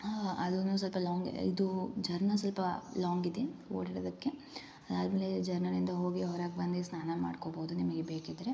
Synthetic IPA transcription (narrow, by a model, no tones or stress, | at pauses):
aɐd̪unus̬ɐlpɐlaːŋɡ̰ḭd̪ud͡ʒɐɾnɐsɐlpɐlaːŋɡid̪eoːɽiɽɐd̪ɐkːe̞ | ɐd̪aːd̪meːled͡ʒɐɾnɐnind̪ɐɦo̞ːɡiɐʋɐɾaːɡ̚bɐnd̪isnaːnɐma̰ːɖkoboːd̪unimɐɡebeːkid̪ɐɾe